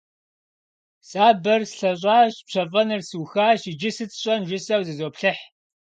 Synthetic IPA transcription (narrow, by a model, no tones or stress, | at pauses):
sʼaːbɐrsɬɐɕ̬ʷʼaːɕpɕʰɐfʼɐnɨrsɨwxaːɕid͡ʒɪsɨt͡sʼɕʼɐnʒɪsɐwzɨzoːpɬɨħ